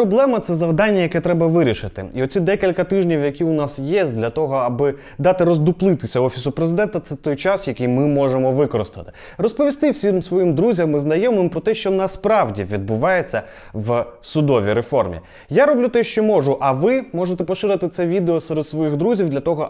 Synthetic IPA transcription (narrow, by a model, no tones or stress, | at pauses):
ɔblˠɛmɐt̪sɛzɐwd̪ɑnʲːɐjɐkɛt̪ɾɛbɐʋɪɾʲiʃɪt̪ɪ̰iɔt͡sʲid̪ɛkʲilʲkɐt̪ɪʒnʲiwjɐkʲiʊnɑsjezʲd̪lʲɐt̪ɔɦɔɐbɪ | d̪ɑt̪ɪɾɔzd̪ʊplˠɪt̪ɪsʲɐɔfʲisʊpɾezɪd̪ɛnt̪ɐt̪sɛt̪ɔjt͡ʃɑsjɐkɪjmɪmɔʒemɔʋɪkɔɾɪ̰st̪ɐ̰t̪ɪ̥ | rɔspɔʋʲist̪ɪwsʲimsʋɔjimd̪ɾuzʲɐmɪznɐjɔmɪmpɾɔt̪ɛʃt͡ʃɔnɐspɾɑwdʲiʋʲid̪̚bʊʋɑjet͡sʲːɐ | ʋsʊd̪ɔʋʲiɾefɔrmʲḭ | jaɾɔblʲut̪ɛʃt͡ʃɔmɔʒʊʔɐʋɪmɔʒet̪ɛpɔʃɪɾɪt̪ɪt̪sɛʋʲid̪eɔsɛɾed̪sʋɔjiɣd̪ɾuzʲiwd̪lʲɐt̪ɔɦɔ